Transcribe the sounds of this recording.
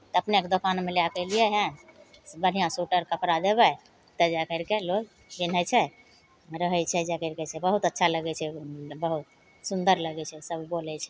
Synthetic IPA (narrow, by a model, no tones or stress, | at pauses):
t̪ɔəpneked̪okanmeleakəlijɛɦɛ̃ | bən̤ijãsuʈəɾkəpɾad̪ebɛ | t̪əd͡ʒɛkəɾkeloɡ | bin̤ət͡ʃʰɛ | ɾəɦɛt͡ʃʰɛd͡ʒɛkəɾkɛt͡ʃʰɛbəɦut̪ətːʃʰaləɡɛt͡ʃʰɛbəɦut̪̚ | sund̪əɾləɡɛt͡ʃʰɛsəbʱbolɛt͡ʃʰɛ